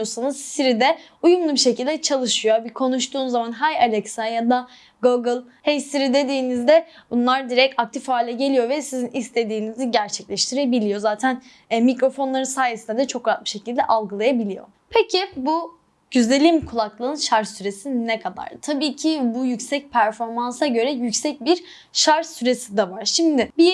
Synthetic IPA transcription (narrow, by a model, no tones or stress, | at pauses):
osanɯzsiɾid̪ɛ | ujumlˠubiʃe̞cilʲd̪ɛt͡ʃʰalˠɯʃɯjobikʰo̞nuʃt̪ʰuːnzːamanɦajalʲɛksajad̪a | ɡoɡɯlˠhɛjsiɾid̪e̞d̪iːnizd̪ɛbunlˠaɾd̪iɾɛc̚tak̚t̪ʰifhaːlʲɛɟe̞lʲijo̞vɛsizinist̪ʰe̞d̪iːniziɟæɾt͡ʃʰɛclʲɛʃt̪ʰiɾebilʲijo̞zaːt̪ʰæn | ɛmikɾo̞fo̞nlˠaɾɯnsaːjesind̪ɛd̪ɛt͡ʃʰo̞kɾat̪̚bɯ̥ʃe̞cʰilʲd̪ɛʔalˠɡɯlˠajabilʲijo̞̰ | pʰecʰɪbu | ɟ̥yzelʲimkʰulˠaklˠɯɯnʃaɾsyɾe̞sinɛkʰad̪a̰ɾ̥t̪ʰabiːcʰɪbujycsɛc̚pʰæɾfo̞ɾmansaɟø̞ɾɛjycsɛc̚biɾ | ʃaɾʃsyɾe̞sid̪ɛvaɾ̥ʃimd̪ɪbi